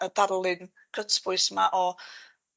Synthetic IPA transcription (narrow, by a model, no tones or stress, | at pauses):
ədaɾlˠɪn | kʰətb̥ʊɨsmaʔɔ